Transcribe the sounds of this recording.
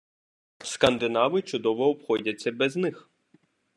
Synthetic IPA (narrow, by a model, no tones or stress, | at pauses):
skɐnd̪ɪnɑʋɪt͡ʃʊd̪ɔʋɔːpxɔdʲɐt͡sʲːɐbɛznɪx